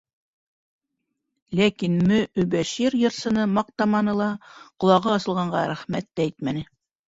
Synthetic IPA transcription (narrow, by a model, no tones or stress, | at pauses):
lækinmɵɵbæʃiɾjɤ̆ɾsɤ̆nɤmɑq̚t̪ɑmɑnɤlˠɑqŏlˠɑʁɤɑsɤ̆lˠʁɑɴɢɑɾæχmæt̪ːæit̪mænɘ